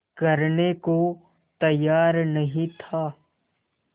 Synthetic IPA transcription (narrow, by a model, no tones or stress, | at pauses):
kɐɾneko | t̪ɐjːaːɾnɐɦĩt̪ʰaː